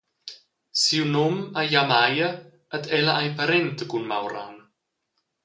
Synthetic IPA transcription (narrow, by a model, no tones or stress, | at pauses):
siwnomajamajə | ət̪ɛlaʔajpaɾɛnt̪əkunma̰wɾa̰n